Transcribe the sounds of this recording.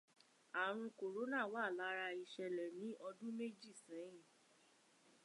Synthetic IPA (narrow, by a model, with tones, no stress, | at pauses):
a˨ɾ̃ũ˧ko˨ɾo˨˦nã˦˨wa˦˨la˨˦ɾa˧i˨ʃɛ˨lɛ˨nĩ˨˦ʔɔ˧dũ˦me˦d͡ʒi˦˨sɛ̃˨˦ĩ˦˨